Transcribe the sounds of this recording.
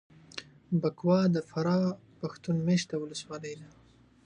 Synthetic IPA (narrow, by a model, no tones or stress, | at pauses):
bakwɑd̪əfaɾɑ | paxt̪unmeʃt̪̚awʊləswɑləjd̪a